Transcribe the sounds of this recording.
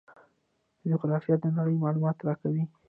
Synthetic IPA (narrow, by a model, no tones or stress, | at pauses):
əd͡ʒʊɣɾɑfjat̪̚d̪ənaɽəjmɑlumɑt̪ɾɑkawi